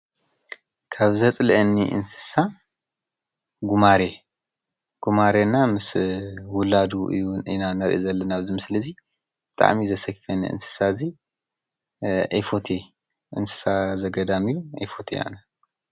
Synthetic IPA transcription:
kʰaβzɐt͡sʼlʔɨnːiʔɨ̰nsɨ̥sa | ɡumaɾe | ɡ̥umaɾenamɨswʊlad̪uʔɨ̰junḭnanɐɾʔizɐlːɐnaβzimɨslɐzi | b̥ɨt̪ʼa̰ʕmizɐsɐkfɐnḭʔɨ̰nsɨ̥sazi | ʔɐjfot̪ʰe | ʔɨ̰nsɨ̥sazɐɡɐd̪amɨjuʔɐ̰jfo̞t̪ʰḛa̰nɐ

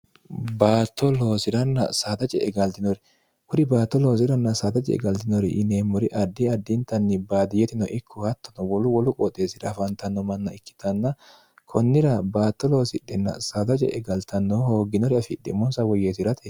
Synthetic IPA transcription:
baːt̪ːɔlo̞ːsɪɾɐnːɐ̰saːd̪ɐt͡ʃʼɛ̰ɛɡɐlt̪ɪnɔɾɛ | hʊd̪ɪbaːt̪ːɔloːs̬ɪɾɐnːɐsaːt̪ɐt͡ʃʼɛ̰ɛ̰ɡɐlt̪ɪnɔɾɛʔɪneːmːɔɾɪʔɐd̪ːɪɐd̪ːɪnt̪ɐnːɪbaːd̪ɪjɛt̪ɪnɔʔɪkʰːʊhɐt̪ːɐnɔwɔlʊwɔlʊkʼɔt̪ʼːeːsɪɾɐfɐnt̪ɐnːɔmɐnːɐɪkːɪ̥t̪ɐnːɐ | kʰɔnːɪɾɐbaːt̪ːɔlo̞ːsɪɗːɛnːɐ̰saːd̪ɐt͡ʃʼɛ̰ʔɛɡɐlt̪ɐnːɔhoːɡːɪnɔɾɪɐfɪd̪ːɪ̰mɔnsɐwɔjeːt̪ɪɾɐt̪e

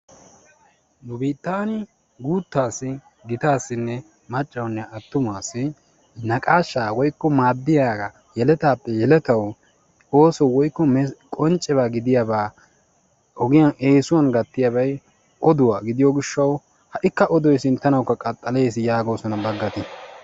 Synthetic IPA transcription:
nʊbiːt̪ːaːnɪ | ɡuːt̪ːaːsːɪ | ɡɪt̪aːsːɪnːɛ | mɐt͡ʃʼːɐwnːɛʔɐt̪ːʊmaːsːɪ | nɐkʼaːʃːaːwɔjkːɔmaːd̪ːɪjaːɡɐ | jɛlɛt̪aːpːɛjɛlɛt̪ɐw | o̞ːsɔwɔjkːɔmɛkʼɔnt͡ʃʼːɛbaːɡɪd̪ɪjɐbaː | ʔɔɡɪjɐneːsʊwɐnɡɐt̪ːɪjɐbɐj | ʔɔd̪ʊwaːɡɪd̪ɪjɔɡɪʃːɐw | hɐʔɪkːɐʔɔd̪ɔjsɪnt̪ːɐnɐwkːɐkʼɐt̪ʼːɐle̞ːsɪjaːɡo̞ːsɔnɐbɐɡːɐt̪ɪ

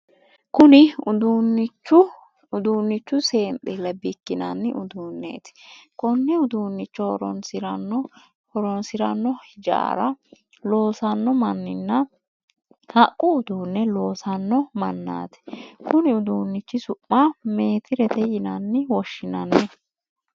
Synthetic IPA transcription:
kʊnɪʊd̪uːnːɪt͡ʃːʊ | ʊd̪uːnːɪt͡ʃːʊse̞ːmtʼɛlɐbɪkːɪnɐnːɪʔʊd̪uːnːḛːt̪ɪ̥kɔnːɛʊd̪uːnːɪt͡ʃːɔɾɔ̰nsɪɾɐnɔ | hɔɾɔnsɪɾɐnːɔhɪd͡ʒa̰ːɾɐ | lo̞ːsɐnːɔmɐnːɪnːɐ | hɐkʼːʊʊd̪uːnːɛlo̞ːsɐnːɔmɐnːa̰ːt̪ɛ̥kʊnɪʊd̪uːnːɪt͡ʃːɪsʊpʼːame̞ːt̪ʰɪɾɛt̪ɛjɪnɐnːɪwɔʃːɪnɐnːɛ

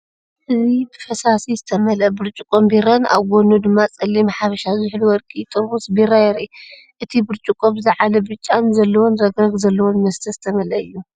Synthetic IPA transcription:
ʔɨzibɨfɐsasizɨt̪ʰɐmɐlɐbɨɾt͡ʃʼukʼombiɾɐna̰βɡʷonud̪ɨmːat͡sʼɐlːimħafɐʃazɨħluwɔɾkʼit̪ʼɨɾbusbiɾajɛɾi | ʔɨt̪ʰibɨɾt͡ʃʼukʼomzɨʕalɐbɨt͡ʃʼːanzɐlːɐwonɾɐɡɾɐɡzɐlːɐwonmɐst̪ʰɐzɨt̪ʰɐmɐlɐɨjːu

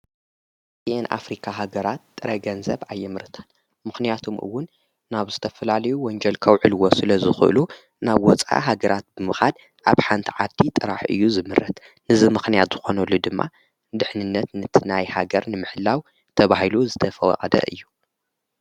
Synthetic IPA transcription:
sienʔa̰fɾikʰaɦaɡɐɾat̪ːʼɨɾɐɡɐnzɐβʕajːɛmɨɾɨt̪ʰḁn | mɨxnijat̪ʰomʔɨ̰wːʊnː | aβzɨt̪ʰɐfɐlalɐjuwɔnd͡ʒɐlkʰɐwʕɨlwosɨlɐzɨxɨʔɨ̰lu | naβwɔt͡sʼa̰ɦaɡɐɾat̪̚bɨmɨxad̪ | ʔaβħant̪ʰiʕad̪it̪ʼɨɾaħɨ̰jːuzɨmɨɾɐt̪ | nɨzɨmɨxnijat̪z̥ɨxo̞nɐlːud̪ɨmːa̰ | d̪ɨħnɨnːɐt̪nɨt̪ʰɨnajhaɡɐɾnɨmɨħɨlːaw | t̪ʰɐβahiluzɨt̪ʰɐfɐwɐ̰qʼɐd̪ɐ̰ʔɨjːu

